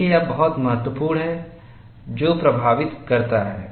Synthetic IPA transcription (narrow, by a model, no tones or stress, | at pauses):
ijabɐɦɔt̪mɐɦət̪wəpuːɾnɦɛ | d͡ʒoːpɾɐbʱaːʋɪt̪kɐɾt̪aɦɛː